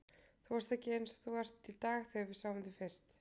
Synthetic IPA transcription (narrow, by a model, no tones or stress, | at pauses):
θuvast̪ɛhcɪensɔθuvar̥t̪ʰːilt̪aːɣθœavɪsawvɪnt̪ɪfɛ̥st̪